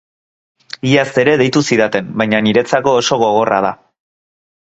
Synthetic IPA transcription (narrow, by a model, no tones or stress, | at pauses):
iast̪e̞ɾe̞ðe̞jt̪usiðat̪e̞mbajɲaniɾe̞t͡sako̞ːso̞ɣo̞ɣo̞ra̰ð̞a̰